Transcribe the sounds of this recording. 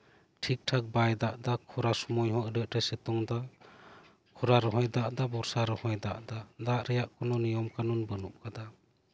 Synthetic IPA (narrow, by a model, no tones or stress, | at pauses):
ʈʰik̚ʈʰak̚bajd̪aʔd̪akʰɔɾasɔmɔjɦɔɾəʔɾɛsɛt̪ɔŋd̪a | kʰɔɾaɾɔɦɔjd̪aʔd̪abɔɾsaɾɔhɔjd̪aʔd̪ad̪aʔɾɛjaʔkʰɔnɔnijɔmkanɔnbənup̚kad̪a